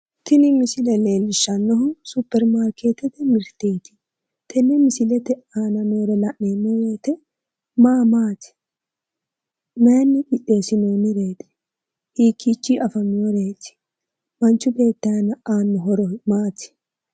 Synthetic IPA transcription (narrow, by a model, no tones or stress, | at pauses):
t̪ɪnɪmɪsɪlɛle̞ːlːɪʃːɐnːɔɦʊsʊpːɛɾmaːɾkeːt̪ɛt̪ɛmɪɾt̪ːeːt̪ɪ̥ | t̪ʰɛnːɛmɪsɪlɛt̪ɛaːnɐnoːɾɛlɐʔneːmːɔweːt̪ɛ | maːmaːt̪ɪ̥ | mɛjɐnːɪkɪᶑːe̞ːsɪnoːnɪɾe̞ːt̪ɪ̥ | hiːkʰːit͡ʃːiʔɐfɐmːɪɔɾeːt̪ɪ̥ | mɐnt͡ʃːʊbe̞ːt̪ːɐɐnɐaːnːɔɦɔɾɔmaːt̪ɪ̥